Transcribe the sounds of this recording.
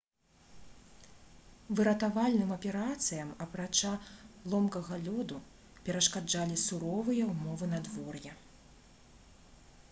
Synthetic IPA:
vɨɾɐt̪avalʲnɨmɐpʲɛɾat̪sɨjɐmɐpɾat͡ʂalˠɔmkɐɣɐlʲɔd̪u | pʲɛɾɐʂkad͡ʐalʲisuɾɔvɨjɐwmɔvɨnɐd̪vɔrjɛ

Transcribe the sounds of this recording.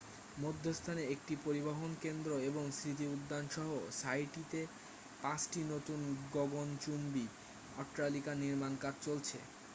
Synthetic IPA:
mod̪ʱːost̪ʰaneek̚ʈipoɾiboɦonkend̪ɾoeboŋsɾit̪̬iud̪ːanʃɔɦosajʈit̪e | pãt͡ɕʈinot̪unɡoɡont͡ɕunbi | ɔʈɾalikaniɾmankaɾt͡ɕolt͡ɕʰḛ

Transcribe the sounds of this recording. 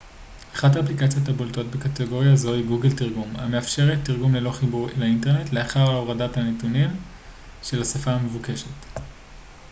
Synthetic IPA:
aχataːplikat͡sjotabolto̞tbekateɡo̞ʁjazo̞hiɡuɡeltiʁɡuma̰me̞afʃe̞ʁetːiʁɡumlelo̞χibuʁelainte̞ʁne̞tle̞aχaʁaoʁadathanetunim | ʃe̞lasafaːmevuke̞ʃe̞t

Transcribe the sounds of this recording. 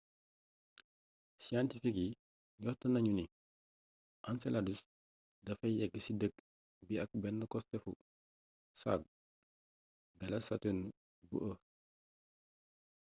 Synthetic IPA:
siantifiki | jɔhtənɐɲuni | ʔansɛladus | dɐfɐjɛɡːəsidəɡ | biɐk̚bɛnːəkɔstɛfṵ | sa̰ɡ̚ | ɡɐlɐsɐtun | bṵʔə

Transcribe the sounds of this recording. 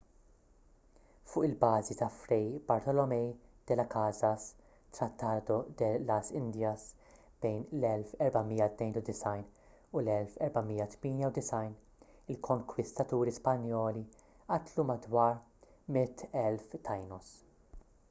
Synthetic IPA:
fʊːʔɪlbɐːzit̪ɐfɾɛjbɐɾt̪ɔlɔmɛjd̪̥ɛlɐkʰɐzɐs | t̪ɾɐt̪ːɐːd̪ɔd̪ɛlɐsɪnd̪jɐs | b̥ɛjnlɛlfɛɾbɐmiːjɐt̪nɛjnud̪ɪsɐjn | ʊlɛlfɛɾbɐmiːjːɐt̪miːnjɐwd̪ɪsɐjn | ɪlkʰɔŋkwɪst̪ɐt̪uːɾispɐnjɔːli | ʔɐt̪lumɐd̪wɐːɾ | mɪt̪ːɛlft̪ʰɐjnɔs

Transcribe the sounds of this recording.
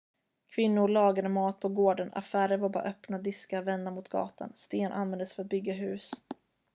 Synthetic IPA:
kʰvɪnːʊɾɭɑːɡad̪əmɑːt̪̚pʰɔɡoːɖəna̰fæːɾəɾvaɾbɑ̰ːɾaʔœpnad̪ɪskavɛnd̪amʊt̪ɡɑ̰ːt̪a̰nst̪eːnʔa̰nvɛnd̪əsfœɾat̪̚bʏɡːaɦʉ̟ːs

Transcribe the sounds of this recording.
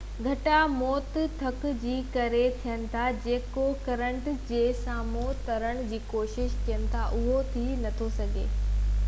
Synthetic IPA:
ɡʱɐʈamɔːt̪t̪ʰɐkd͡ʑiːkɐɾet̪ʰijənɪ̆t̪ʰad͡ʑeːkokɐɾə̃ɳʈd͡ʑeːsaːmot̪ɐɾəɽ̃̆d͡ʑiːkoːʃɪʃt̪ʰijənɪ̆t̪ʰaʔʊɦot̪ʰinɐt̪ʰosɐɡʱḛː

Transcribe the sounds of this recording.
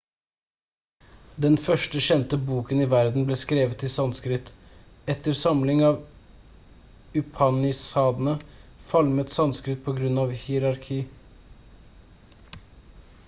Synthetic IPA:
d̪ɛnfœʂʈəɕɛnt̪əbuːkənɪʋæɾd̪n̩bleːskɾeːʋət̪ʰːɪlsɑnskɾɪt̪ | ɛt̪əɾsɑmlɪŋɑːʋ | ʉpʰɑnɪsɑːd̪n̩əfɑlmət̪sɑnskɾɪt̪̚pʰɔɡɾʉnɑʋhɪɾɑɾkʰiː

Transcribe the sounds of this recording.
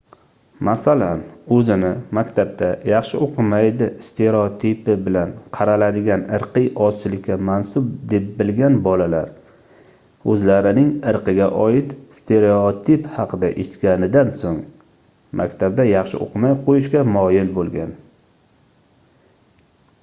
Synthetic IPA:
masalanɵzɪnɪmakʲt̪ʰab̚d̪ajɑχʃɪoqʰɨmajd̪ɪst̪ʰe̞ɾeot̪ʰipɪbɪlanqʰɑɾalad̪ɪɡʲanɨɾqʰɨjʔɒt͡ʃɪlɪkʲʰːamansʊb̚d̪e̞p̚bɪlɡʲanbɒlalaɾ | ɵzlaɾɪnɪŋɨɾqɨɡʲaʔɒjɪt̪st̪ʰeɾeot̪ʰiphɑqʰɨd̪aʔeʃt̪kʲanɪd̪ansoŋ | mʔa̰kʲt̪ʰab̚d̪ajɑχʃɪ̰ʔo̰qʰɨmajqʰojɪʃkʲamɒjɪlbolˠɡʲan

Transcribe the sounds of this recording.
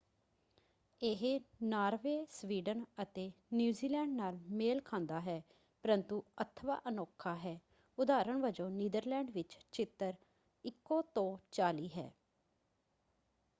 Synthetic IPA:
eɦnaːɾʋeːsʋiːɖənət̪eːnjuːziːlɛ̃ːɳɖnaːlmeːlkʰãːnd̪aːɦɛː | pəɾənt̪uːət̪ʰʋa̰ːʔənɔːkʰaːɦɛː | ʊd̪aːɾəɳʋəd͡ʒõːniːd̪əɾlɛːɳɖʋɪt͡ʃt͡ʃɪt̪ːəɾ | ɪkːõːt̪õːt͡ʃaːliːɦɛ̰ː

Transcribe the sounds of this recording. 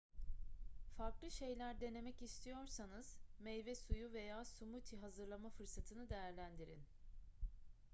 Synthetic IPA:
faɾklˠɯʃe̞jlʲæɾd̪e̞ne̞mɛcist̪ʰijo̞ɾsanɯz̥mejvɛsujuve̞jaːsumut̪ʰiɦazɯɾlˠamafɯɾsat̪ʰɯnɯd̪e̞jæɾlʲænd̪iɾḭn

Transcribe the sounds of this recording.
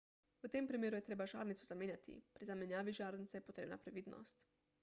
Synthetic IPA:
wət̪eːmpɾimeːɾujɛt̪ɾeːbaʒaːɾnit̪suzameːnjat̪ḭpɾizamenjaːʋiʒaːɾnit̪sejɛpot̪ɾḛːbna̰pɾɛʋiːd̪nʔɔ̰st̪

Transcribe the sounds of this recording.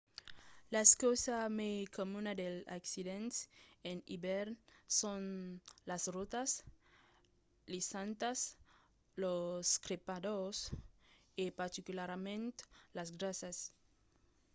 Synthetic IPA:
laeskosamekomunad̪ela̰ksiðẽnt̪enibeɾnsonlasrot̪as | lisãnt̪as | loskɾepadoɾs | epaɾt̪ikulaɾmẽnt̪lasɡɾasas

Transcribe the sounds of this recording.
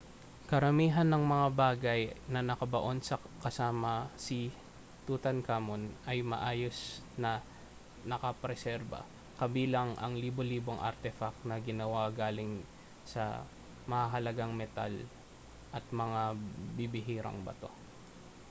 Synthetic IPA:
kɐɾɐmiːɦɐnːɐŋmɐŋabaːɡɐjnɐnɐkɐbɐʔo̞nsɐkɐsaːmɐsi | t̪ut̪ɐnkaːmonɐjmɐ̰ʔaːjo̞snɐ | nɐkɐpɾɛsɛɾbɐ̰ | kɐbiːlɐŋʔɐ̰ŋliːboliːboŋʔɐ̰ɾt̪ɛfɐk̚nɐɡɪnɐwaɡaːlɪŋ | sɐ̰ | mɐŋaɦɐlɐɡaŋmɛt̪a̰l | ʔɐt̪̚mɐŋabɪbɪɦiːɾɐ̰ŋbɐ̰t̪o̞̰

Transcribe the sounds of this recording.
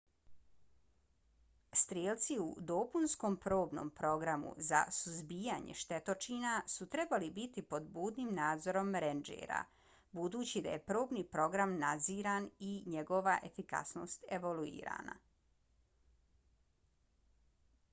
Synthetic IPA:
st̪ɾjeːlt̪siud̪o̞punskoːmpɾoːbno̞̰ːmpɾo̞ɡɾamṵza̰suzbiːjaɲḛʃt̪e̞t̪o̞t͡ʃiːnasut̪ɾe̞balibit̪ipo̞d̪buːd̪nimnaːd̪zo̞ɾo̞mɾend͡ʒḛɾa̰ | bud̪uːt͡ɕid̪a̰je̞pɾo̞ːbniːpɾo̞ɡɾamnad̪ziːɾaniɲeɡo̞ʋaʔe̞fika̰sno̞̰st̪e̞ʋoluḭːɾa̰ːna̰

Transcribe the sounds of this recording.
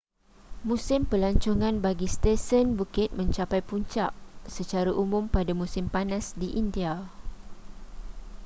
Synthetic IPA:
mũsɪmpəlaɲt͡ʃɔŋãnbaɡist̪ɛsənbukɪt̪̚mə̃ɲt͡ʃapajpuɲt͡ʃa̰ʔsət͡ʃaɾaʔumʊ̃mpadamũsɪmpanãsdiʔindia

